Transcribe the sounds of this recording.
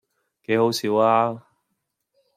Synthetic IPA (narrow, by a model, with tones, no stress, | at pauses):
ke˨˥jhɦo˨˥wsiː˨˥waː˥